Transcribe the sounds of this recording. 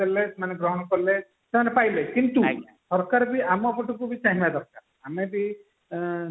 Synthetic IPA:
elesemaneɡɾɔɦɔnɔkɔɾle | semanepajlekint̪u | sɔɾkaɾbiamɔpɔʈukubit͡ʃaɦĩbad̪ɔɾkaɾ | amebi

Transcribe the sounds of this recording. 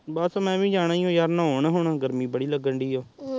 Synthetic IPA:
baːsːmɛ̃ːʋĩːd͡ʒaːɽ̃aːiːõːjaːɾnãːoːɳaːɦʊɳaːɡəɾmĩːbəɽiːləɡəɳɖiːoː

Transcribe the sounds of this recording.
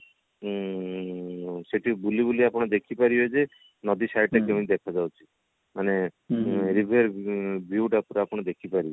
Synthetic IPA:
seʈibulibuliapɔɽ̃ad̪ekʰipaɾiod͡ʒe | nɔd̪isajɖʈakeũnid̪ɛkʰad͡ʒawt͡ʃʰi̥ | mane | ɾibʱeɾbʱiuʈapɾaapɔɽ̃ɔd̪ekʰipaɾi

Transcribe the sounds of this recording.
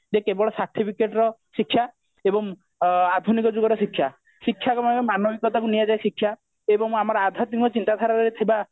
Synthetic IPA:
d͡ʒekebɔɭɔsaɾʈʰipʰikeʈɔɾɔsikʰːja | ebɔŋ | ad̪ʱunikɔd͡ʒuɡɔɾɔsikʰːja | sikʰːjakɔmaemanobʱikɔt̪akunijad͡ʒajsikʰːja | ebɔŋmamaɾɔad̪ʱat̪mikɔt͡ʃint̪ad̪ʱaɾaɾɾet̪ʰiba

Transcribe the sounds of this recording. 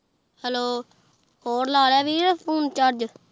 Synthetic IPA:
hɛloː | hoːɾlaːɾɛːbiːɛpʰuːnt͡ʃaɾd͡ʒ

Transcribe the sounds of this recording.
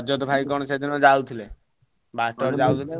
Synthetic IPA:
d͡ʒɔt̪̬ɔbʱajkɔñɔt͡ʃed̪inɔd͡ʒawt̪ʰile | baʈɔɾd͡ʒawt̪ʰile

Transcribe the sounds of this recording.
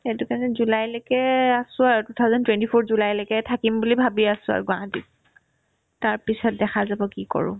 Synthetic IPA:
etukanɛzulajlɛkɛasʊ̃aɹtutʰazɔntwɛntipʰoɹzulajlɛkɛtʰakimbulibʱabiasʊ̃a̰ɹɡʊa̰ɦatit̚ | taɹpisɔt̚dɛxʰazabɔkikɔ̰ɹʊ̰̃

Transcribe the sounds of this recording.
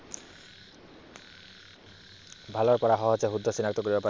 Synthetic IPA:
bʱaloɾpɔɾaɦɔaot͡ɕʰeɦud̪ʱːosinakt̪okoɾibepa

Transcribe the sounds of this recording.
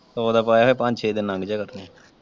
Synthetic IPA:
t̪ooːd̪aːpaːjaːɦoːpə̃ɲd͡ʒt͡ʃʰeːd̪ɪnãŋɡd͡ʒaːkəɾnẽ

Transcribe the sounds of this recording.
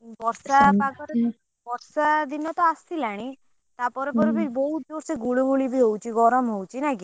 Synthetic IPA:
bɔɾsabakɔɾ | bɔɾsad̪inɔt̪ɔast̪ilaɽ̃i | t̪apɔɾɔpɔɾɔbeɾbɔɦut̪̚d̪oɾseɡuɭuɡuɭibʱiɦowt͡ʃiɡɔɾəmɦowt͡ʃʰinaki

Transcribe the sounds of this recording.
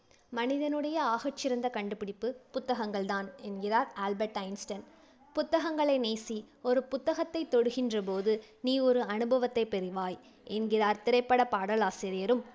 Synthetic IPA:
mɐnɪðɐnɯɽɐjɐaːɣɐʈt͡ʃːɪɾɐnd̪ɐkɐɳɖɯpɪɽɪpːɯpʊt̪ːɐɣɐŋɡɐɭt̪aːnɛnɡɪraːɾaːlbɐɾʈɐɪnsʈɐn | pʊt̪ːɐɣɐŋɡɐɭɐɪneːsi | ɔɾɯpʊt̪ːɐɣɐt̪ːɐɪt̪ːɔɽɯɣɪndrɐp̬oːðɯniːɔɾɯɐnɯbɐʋɐt̪ːɐɪpːɛɾɪʋaːj | ɛnɡɪraːɾt̪ɪɾɐɪpːɐɽɐpaːɽɐlaːsiːɾɪjɐɾɯm

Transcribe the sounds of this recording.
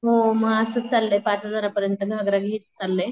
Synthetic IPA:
ɦoməɡəsət͡salːepat͡səd̪ʱəɾapəɾjənt̪əɡʱaɡɾaɡʱiːt͡st͡salːe

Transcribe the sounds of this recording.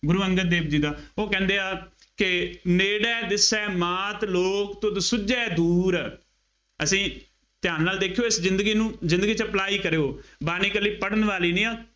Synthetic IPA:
ɡʊɾuːəŋɡəɾd̪eːbd͡ʒiːd̪aːoːkɛ̃ːnd̪eːaː | kɪneːɽɛːd̪ɪsɛːmaːt̪loːkt̪õːsʊd͡ʒɛːd̪uːɾɛː | əsĩː | t̪ɪjaːnːaːld̪eːkʰejoːɪszɪnd̪ɡiːnũːzɪ̃nd̪ɡiːt͡ʃəəplaːiːkəɾeːoːbaːniːkəlːiːpəɽənʋaːliːnĩːaː

